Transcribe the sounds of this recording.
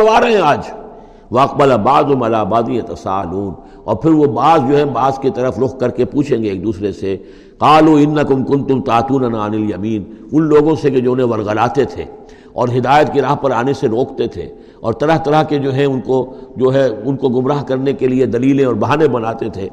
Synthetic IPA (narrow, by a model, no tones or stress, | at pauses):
ɽʋaːɾɐɦɛ̃aːd͡ʒ | ʋɐɐq̚bɐlabaːzɦʊ̃mɐlaːbaːd̪ĩːjɐt̪ɐsa̰ːluːn | ɔ̰ːɾpʰɪɾʋobaːzd͡ʒoːɦɛ̃baːzkit̪ɐɾəfɾʊxkɐɾkepuːt͡ʃʰẽːŋɡeːk̚d̪uːsɾese | qaːluːɪnːɐkʊmkʊ̃nt̪ʊmt̪aːt̪uːnɐnaːnɪljɐmiːnʊnloːɡõseked͡ʒoːʊnɦẽʋɐɾɣɐlaːt̪et̪ʰḛː | ɔːɾɦɪd̪aːjət̪̚kiɾaːɦpɐɾaːneseɾoːkt̪et̪ʰḛː | ɔːɾt̪ɐɾəɦt̪ɐɾəɦked͡ʒoːɦɛ̃ʊnkod͡ʒoːɦɛʊnkoɡʊmɾaːɦkɐɾnekelied̪ɐliːlẽɔːɾbɐɦaːnẽbɐnaːt̪et̪ʰeː